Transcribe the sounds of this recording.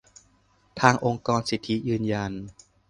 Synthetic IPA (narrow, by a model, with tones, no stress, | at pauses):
t̪ʰaː˧ŋʔo˧ŋkɔː˧nsi˨˩t̪ʰːi˦˥jɯː˧nja˧n